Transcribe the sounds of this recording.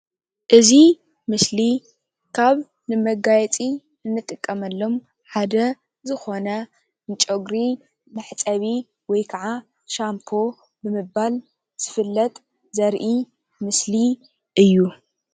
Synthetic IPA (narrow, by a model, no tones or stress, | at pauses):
ʔɨzi | mɨsli | kʰaβ | nɨmɐɡajɛt͡sʼi | ɨnːɨt̪ʼɨkʼːɐmɐlːo̞m | ħad̪ɐ | zɨxo̞nɐ | nt͡ʃʼoɡɾi | mɐħt͡sʼɐβi | wɔjkʰaʕa | ʃampʰo̞ | bɨmɨbːal | z̥ɨfɨlːɐt̪ʼ | zɐɾʔi | mɨsli | ʔɨjːu